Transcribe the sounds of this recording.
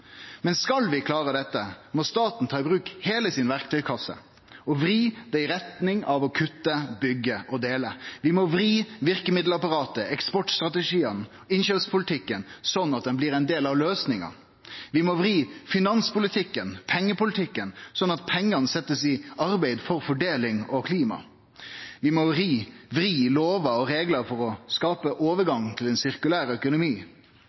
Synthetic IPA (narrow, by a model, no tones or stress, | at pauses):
mɛnskɑlʋɪkʰlɑːɾəd̪ɛt̪ːəmɔst̪ɑːt̪n̩t̪ʰɑːɪbʁʉːkheːləsɪnʋæɾkt̪ʰœʏkʰɑsə̰ | ɔʋɾiːd̪̥ɛɪɾɛt̪nɪŋɑʋɔkʰʉt̪ːəbʏɡːəʔɔd̪eːləʋɪmoːʋɾiːʋɪɾkəmɪd̪l̩ɑpɑɾɑːt̪əɛkspɔʈst̪ɾɑt̪əʂiːən | ɪnʃøspʰʊlɪt̪ʰɪkːənsɔnːɑt̪̚d̪ɛnblɪɾɛnd̪eːlɑʋløːsnɪŋɑ̰ | ʋɪmɔʋɾiːfɪnɑnspʊlɪt̪ʰɪkːənpʰɛŋːəpʊlɪt̪ʰɪkːənsɔnːɑt̪̚pʰɛŋːɑnəsɛt̪ːəsɪɑɾbæɪd̪fɔɾfɔɖeːlɪŋɔkʰliːmɑ̰ | ʋɪmɔɾiːʋɾiːloːʋɑɔɾeːɡlɑfɔɾɔskɑːpəʔoːʋəɾɡɑŋt̪ʰɪlɛnsɪʁkʉlæːɾœkʊnʊmiː